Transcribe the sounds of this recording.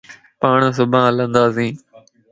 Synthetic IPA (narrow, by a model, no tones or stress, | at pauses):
paːɳs̬ʊbʱãːlə̃nd̪aːs̬ĩː